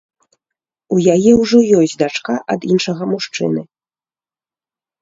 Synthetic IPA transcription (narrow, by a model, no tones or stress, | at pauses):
ujajɛwʐɔjɔsʲtʲd̪at͡ʂkaʔɐd̪inʂɐɣɐmuʂt͡ʂɨ̰nɨ